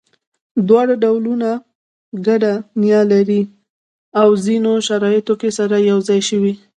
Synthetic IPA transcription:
d̪wɑɽaɖawluna | ɡaɖanjɑlaɾi | awzinoʃaɾɑjɪt̪okesaɾajawzɑjʃəwi

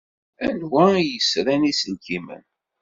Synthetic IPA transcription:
ænwæjəsɾænisənkimə̰n

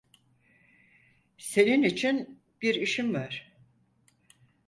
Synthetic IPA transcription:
se̞ninit͡ʃʰin | b̥iɾiʃimvaɾ̥

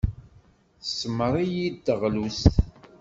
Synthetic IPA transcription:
θsːməɾˤijid̪ːəʁlus

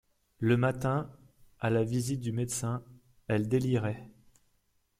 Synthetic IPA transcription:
ləmat̪ɛ̃ | alavizit̪̚d̪ymed̪sɛ̃ | ɛld̪eliʁɛ

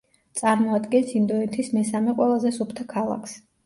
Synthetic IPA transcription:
t̪sʼaɾmɔad̪ɡɛnsimd̪ɔɛt̪ʰismɛsamɛqʼwɛlˠazɛsupʰt̪ʰakʰalˠa̰kʰs

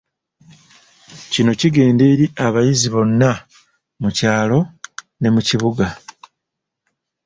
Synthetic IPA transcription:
cino̞ciɡe̞ːndeːɾiʔaβajiziβo̞nːa | mucaːlo̞ | ne̞muciβuɡa

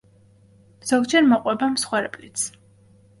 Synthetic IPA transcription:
m̥z̥ɔɡd͡ʒɛɾmɔqʼwɛbamsχwɛɾɛpʼlit̪sʰ

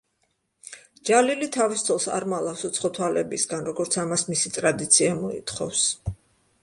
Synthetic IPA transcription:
d͡ʒalilit̪ʰavist̪sʰɔlˠsa̰ɾmalˠafsɔt̪sʰχɔt̪ʰwalɛbisɡanɾɔɡɔɾt̪sʰamasmisit̪ʼɾad̪it̪sʰiamɔḭt̪ʰχɔ̰fs

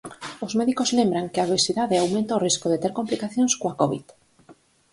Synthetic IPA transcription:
ozmeðikozlembɾaŋkɪaβesiðaðeawmẽnt̪aoriskoðet̪eɾkomplikaθjonskoakoβḭð

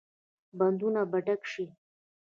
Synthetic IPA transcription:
band̪unabaʈakʃi

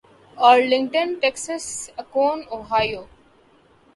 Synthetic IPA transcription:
ɔːɾlɪ̃ŋʈə̃nʈeksəsɐkoːnoːɦaːjoː

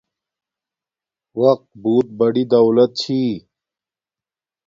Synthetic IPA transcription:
wɐq̚t̪buːt̪̚bɐɽid̪ɐwlɐt̪̚t͡ɕʰi

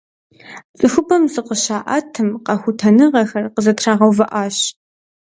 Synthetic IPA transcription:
t͡sʼɨxʷʊbɐmzɨqəɕaːʔa̰ːtʰɨmqɐxʷʊtʰɐnɨʁɐxɐrqəzɐtʰraːʁɐwvɐʔaːɕ

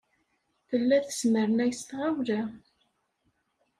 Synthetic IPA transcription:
θəlːæθə̥sməɾənæjəst̪ʁawlæ

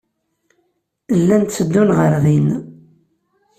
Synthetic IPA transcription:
əlːænt̪t͡sːəd̪ːunʁəɾðin

